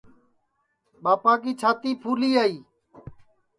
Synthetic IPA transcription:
ɓaːpaːkiːt͡ʃʰaːt̪iːpʰuːliːaːiː

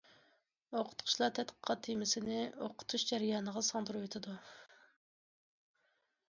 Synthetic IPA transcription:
oqʰʊ̥t̪qʰʊ̥ʃlˠɑɾt̪ʰɛt̪qʰə̥qʰɑt̪ʰːimɪsɪnɪoqʰʊ̥t̪ʰuʃd͡ʒɛɾɪjɑːnəʁɑsɑŋd̪uɾuwet̪ʰɨd̪u

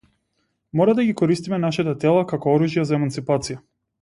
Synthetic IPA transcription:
mɔɾad̪aɡikɔɾist̪imɛnaʃɛt̪at̪ɛlˠakakɔɔɾuʒjazaɛmant̪sipat̪sija

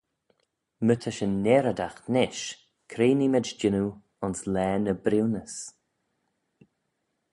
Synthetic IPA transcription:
mət̪ʰəʃənːeːɾəd̪axnɪʃ | kʰɾeːnimɪd͡ʒd͡ʒɪnu | ʊnslɛːnəbɾiwnəs

